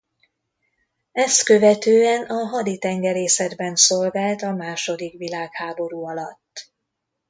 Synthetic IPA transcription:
ɛst̪køvɛt̪øːɛnɒɦɒd̪it̪ɛŋɡɛɾeːsɛd̪bɛnsolɡaːlt̪ɒmaːʃo̞d̪ikʋilaːkhaːbo̞ɾuːɒlɒt̪ː

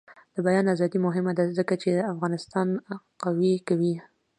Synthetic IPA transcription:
d̪̥əbajɑnazɑd̪imʊɦɪmad̪azəkat͡ʃed̪əafɣɑnɪst̪ɑn | qawikawi

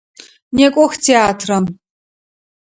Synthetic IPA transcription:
nekʷʼɔxtʰeaːtʰrɐm

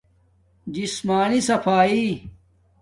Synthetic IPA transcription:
d͡ʑismaːnisɐfaːiː

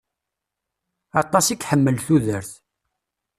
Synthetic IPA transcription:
ɑt̪ˤːɑsikħəmːəlθuðəɾθ

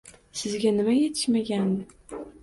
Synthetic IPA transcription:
sɪzɡʲanɪmajet̪ʰɪ̥ʃmaɡʲænːɪ

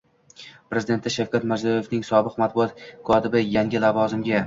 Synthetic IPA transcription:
pɾe̞zɪd̪e̞nt̪ʰɪʃawkʲʰat̪mazɒje̞fnɪŋsɒbɨqmat̪̚bʊɒt̪̚kʰɒt̪ʰɪbɪjaŋɡʲɪlavɒzɪmɡʲa

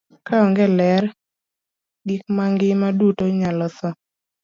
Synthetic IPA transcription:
kʰaɔŋɡɛlɛr | dik̚maŋɡɪmadutoɲalɔt̪ɔ

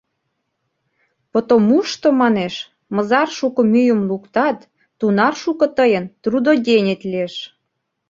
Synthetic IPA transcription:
pot̪omuʃt̪omɑneʃ | mɤ̆zɑrʃukŏmyjə̆mlukt̪ɑt̪ː | unɑrʃukɤ̆t̪əjənt̪rud̪od̪ʲenʲet̪lieʃ

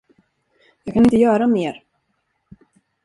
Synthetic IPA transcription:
jɑːɡkʰanɪnt̪əjœːɾameːɾ

